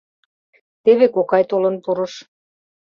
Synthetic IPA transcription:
t̪eβekokɑjt̪olɤ̆npuɾə̆ʃ

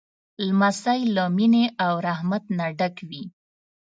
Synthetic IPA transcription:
lmasajlamineawɾahmat̪naɖakwi

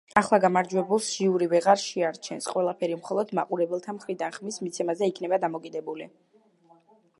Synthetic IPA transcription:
aχlˠaɡamaɾd͡ʒwɛbulˠsʒ̥iuɾivɛʁaɾʃɛaɾt͡ʃʰɛnsqʼwɛlˠapʰɛɾimχɔlˠɔd̪maqʼuɾɛbɛlˠt̪ʰamχɾid̪anχmismit̪sʰɛmazɛikʰnɛbad̪amɔkʼid̪ɛbuli

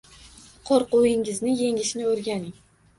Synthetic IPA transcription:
qʰoɾqʊɪŋɪznɪje̞ŋɪʃnɪɵɾɡʲanɪŋ

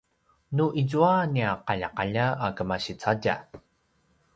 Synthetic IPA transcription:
nuʔizuaniaqaʎaqaʎaakəmaɕit͡saɟa̰

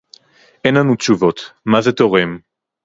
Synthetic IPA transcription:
ʔɛnlanut̪t͡ʃuvot̪mazet̪oʁem

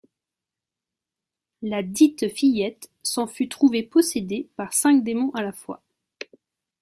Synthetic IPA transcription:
lad̪it̪fijɛt̪ | sɑ̃fyt̪χuvepɔsed̪epaʁsɛ̃k̚d̪emɔ̃ʔalafwa̰

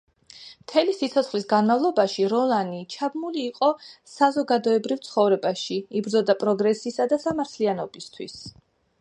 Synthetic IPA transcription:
mt̪ʰɛlisit̪sʰɔt̪sχlisɡanmavlˠɔbaʃiɾɔlanit͡ʃʰabmuliːqʼɔsazɔɡad̪ɔɛbɾivt̪sʰχɔvɾɛbaʃiibɾd̪ɔd̪apʼɾɔɡɾɛsisad̪asamaɾt̪ʰlianɔbist̪ʰwḭs

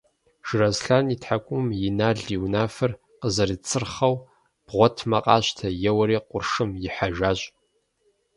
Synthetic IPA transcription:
ʒ̥ɨrɐzɬanitħakʷʼʊmjɪnaːɮiwnaːfɨr | qəzɐɾit͡sʰʼɨrχɐw | b̥ʁʷɔtʰmɐqʼɑːɕtʰɐjɛwɐɾiːqʷʊrʂɨmjɪħaʒaːɕʼ

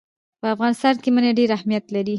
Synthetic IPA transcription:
pəafɣɑnɪst̪ɑnkemənaɖeɾahmijat̪laɾi

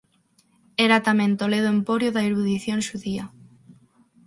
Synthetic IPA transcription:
ɛɾat̪amẽnt̪oleðʊempoɾjoðaiɾuðiθjoŋʃuðia

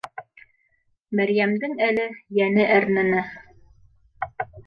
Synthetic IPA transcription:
mæɾjæmd̪ɘŋælɘjænɘʔæɾnɘ̆nɘ

